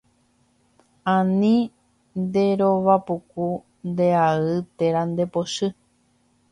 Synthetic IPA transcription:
ãnĩ | nd̪e̞ɾoʋapuku | nd̪e̞aɨt̪e̞ɾand̪e̞poʃɨ

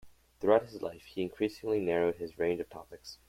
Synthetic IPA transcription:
θɹuaʊt̚hɨzla̰ɪfhiɨ̃nkʰɹ̥isɪ̃ŋlinɛɹoʊd̚ɨzɹẽɪ̃nd͡ʒʌv̥tʰɑ̰pɨks

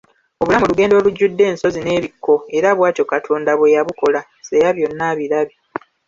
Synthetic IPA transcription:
o̞βulamuluɡe̞ːndo̞ːluɟːudːe̞ːnso̞zine̞ːβikːo̞e̞ɾaβwaːto̞katʰo̞ːndaβwe̞jaβuko̞la | se̞jaβjo̞nːaβiɾaβi

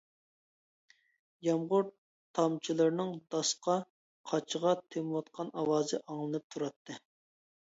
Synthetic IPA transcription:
jɑmʁʊɾ | t̪ʰːɑmt͡ʃʰilˠɨɾnɨŋd̪̥ɑsqɑ | qʰɑt͡ʃʰəʁɑt̪ʰemwɑt̪̚qʰɑnɑwɑːzɨʔɑŋlˠɨnɨp̚t̪ʰuɾɑt̪ʰːɨ

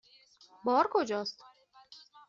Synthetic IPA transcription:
bɒːɾkʰod͡ʒɒːst̪

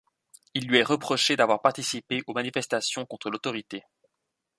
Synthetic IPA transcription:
ilːɥiɛʁəpχɔʃed̪avwaʁpaʁt̪isipeʔomanifɛst̪asjɔ̃kɔ̃t̪χəlot̪ɔʁit̪e

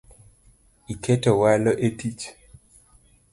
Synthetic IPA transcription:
iketɔwalɔʔetit͡ʃ

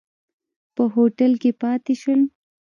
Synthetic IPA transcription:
pəɦoʈəlkepɑt̪eʃəl

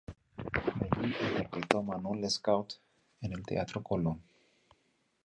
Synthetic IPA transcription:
belietakejt̪omanleskawt̪ | enelt̪ḛat̪ɾokolon

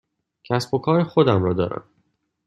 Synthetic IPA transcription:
cʰæsbo̞kʰɒːɾexod̪æmɾɒːd̪ɒ̰ːɾæ̰m

